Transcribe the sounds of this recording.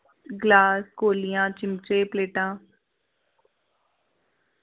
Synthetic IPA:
ɡlaːskoːlijãːt͡ʃɪmt͡ʃeːpleːʈãː

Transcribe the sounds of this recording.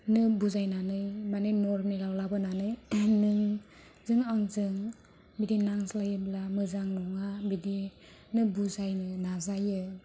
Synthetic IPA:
nɯbuzajnanɯjmanenɔɾniɾawlabɯnanɯjnɯŋ | zɯŋaŋzɯŋ | bidinaŋslajɯblamɯzaŋnɔŋabidi | nɯbuzajnɯnazajɯ

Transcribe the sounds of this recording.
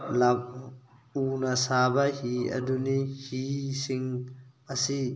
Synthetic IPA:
lap̚ | unɐsabɐhiɐ̰dunihisiŋɐsi

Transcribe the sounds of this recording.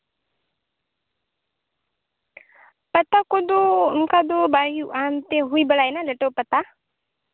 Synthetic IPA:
pət̪akod̪omkad̪obaɦjuʔamt̪eɦuibəlajnaleʈəwpət̪a

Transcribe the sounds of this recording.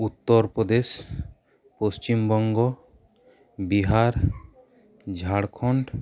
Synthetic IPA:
ut̪ːɔɾpɾɔd̪es | post͡ʃimbɔŋɡɔ | biɦaɾ | d͡ʒʱaɽkʰɔɳɖ

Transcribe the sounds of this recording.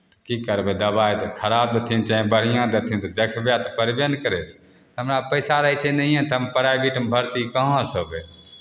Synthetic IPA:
kikəɾbed̪əbajt̪kʰəɾab̚d̪et̪ʰint͡ʃaɦẽbəɽ̤ijãd̪et̪ʰint̪ɔd̪ekʰbjat̪ɔpəɾbjənkəɾɛsʰ | t̪ɦəmɾapəɪsaɾəit͡ʃʰɛnəɦijẽt̪əmpəɾaibiʈmbʱəɾt̪ikəɦɔ̃səbe

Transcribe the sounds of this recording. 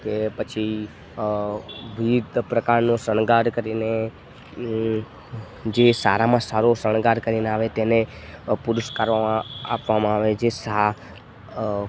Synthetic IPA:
kepət͡ʃʰi | ʋid̪pɾəkaɾnõsəɳɡaɾkəɾine | d͡ʒesaɾamãsaɾosəɳ̃ɡaɾkəɾineaʋet̪enepʊɾʊʃkaɾʋamãa̰pʋamãaʋed͡ʒesa

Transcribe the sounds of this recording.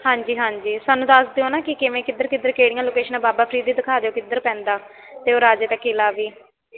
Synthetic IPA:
hãːɲd͡ʒiːɦãːɲd͡ʒiːsaːnːũːd̪əsd̪eːõːnãːkɪkɪʋẽːkɪd̪əɾkɪd̪ːəɾkeːɽɪjãːloːkeːʃənãːbaːbaːpʰɾiːd̪iːd̪ɪkʰaːd̪eːoːkɪd̪əɾpɛ̃ːnd̪aː | t̪eːoːɾaːd͡ʒeːt̪ãkeːlaːʋiː

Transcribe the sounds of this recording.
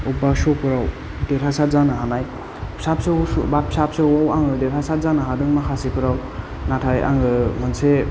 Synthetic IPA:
ubasɔpɯɾaw | deɾʰasazanɯɦanaj | sap̚sebapʰsapsewawaŋɡɯdeɾʰasazanɯɦadɯŋmakʰasipʰɯɾaw | natʰaja̰ŋɡɯmɯnse

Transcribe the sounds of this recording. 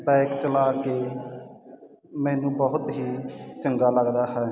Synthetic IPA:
bɛːkt͡ʃəlaːkeː | mɛ̃ːnũːbəɦʊt̪ɦiːt͡ʃəŋɡaːləɡd̪aːɦɛː

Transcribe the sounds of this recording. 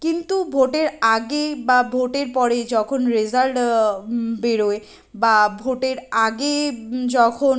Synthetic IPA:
kint̪ubʱoʈeɾaɡebabʱoʈeɾpɔɾed͡ʑɔkʰonɾezalʈ | beɾoe | babʱoʈeɾaɡed͡ʑɔkʰon

